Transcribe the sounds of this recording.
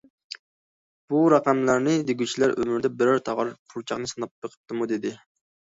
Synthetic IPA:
b̥uɾɑqæmlæɾnɨd̪eɡʲyt͡ʃʰilæɾømɪɾd̪ɛbɪɾɑɾt̪ʰɑʁɑɾqʰuɾt͡ʃʰɑχnɨsɨnɑp̚bəqʰə̥p̚t̪ʰɨmud̪ed̪ɪ

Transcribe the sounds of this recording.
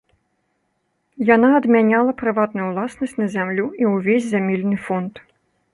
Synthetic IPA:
janaɐd̪mʲanʲalˠɐpɾɨvat̪nujuwlˠasnɐsʲtʲnɐzʲamlʲuiwvʲezʲzʲamʲilʲnɨfɔnt̪

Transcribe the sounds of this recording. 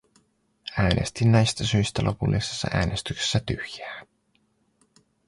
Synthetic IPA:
æːnʔe̞̰st̪inːæjst̪æsyjst̪ælʔo̞̰pulːʔise̥sːɑ̰ʔæ̰ːne̞st̪ykse̥sːæt̪yhjæː

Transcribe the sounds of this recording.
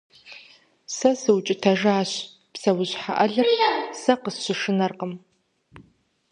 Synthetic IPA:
sɐsɨwt͡ʃʼɪtʰɐʒaːɕ | psɐwʊʑħa̰ʔɐɮɐsɐqəsɕɪʂɨnɐrqəm

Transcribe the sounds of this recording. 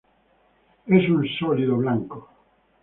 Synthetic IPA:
esunsɔliðoβlaŋko

